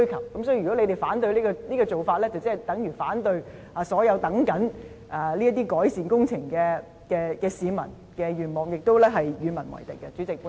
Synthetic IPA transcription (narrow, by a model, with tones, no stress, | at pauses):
ɥkʰɐ˨˩wkɐ˨˦msɔː˨˥i˨˧˨y˨kɔ˨˥le˧t̪e˨jfaː˨˥nt̪̬ɵ˧ɥliː˥kɔ˧liː˥kɔː˧t͡so˨wfaː˧t̚lɛː˥t͡sɐ˨wt͡sɐ˥ɐ˨jt̪ɐ˨˥ŋjyː˨˩faː˨˥nt̪ɵ˧ɥ | aː˨˧sɔː˨˥jɐ˨˧wt̪ɐ˨˥ŋkɐ˨˥n | ʔaː˨˩liː˥ɐ˥t̪iː˥kɔː˨˥jsiː˨nkʊ˥ŋt͡sʰɪ˨˩ŋkɛː˧ | kɛː˧kɛː˧siː˨˧mɐ̰˨˩n | kɛ˧ɥyː˨˩nmɔː˨ŋjɪ˨k̚t̪o˥wlɛː˥ɦɐ˨jɥyː˨˧mɐ˨˩nwɐ̰˨˩jt̪ɪ̰˨˩kːɐ˧t͡ʃy˨˥t͡sɪ˨k̚pː